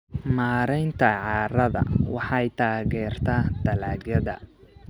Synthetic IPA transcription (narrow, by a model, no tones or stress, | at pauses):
maːɾɛjnt̪ʰɐʕɑːɾɐðɐ̰wɑħɑjt̪ʰaːɣɛːrt̪ʰaːd̪ɐlaːɡɐðɐ̰